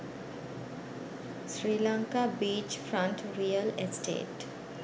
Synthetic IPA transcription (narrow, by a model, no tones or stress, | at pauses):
sɾilaŋkabiːt͡ʃfɾaɳʈɾijəlesʈʰḛːʈ